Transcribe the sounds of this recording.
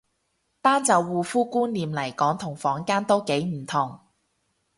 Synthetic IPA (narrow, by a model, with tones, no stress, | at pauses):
paː˥nt͡sɐ˨˧wːuː˨fuː˥kuː˥nliː˨mlɐ˨˩jkɔː˨˥ŋt̪ʰʊ˨˩ŋfɔː˨˥ŋkaː˥nt̪o˥wke˨˥jm̩˨˩t̪ʰʊ˨˩ŋ